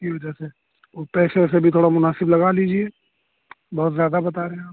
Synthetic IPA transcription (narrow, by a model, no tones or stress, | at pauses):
kiʋɐd͡ʒəse | oːpɛːsesebʱit̪ʰoːɽamʊnaːsɪblɐɡaliːd͡ʒie | bɔɦʊt̪zjaːd̪abɐt̪aɾeɦẽ